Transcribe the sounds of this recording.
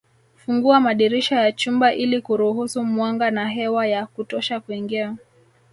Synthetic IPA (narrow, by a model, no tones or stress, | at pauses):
fuŋɡuamaɗiɾiʃajat͡ʃumbaʔilikuɾuhusumwaŋɡanaɦɛwajakutɔʃakuiŋɡia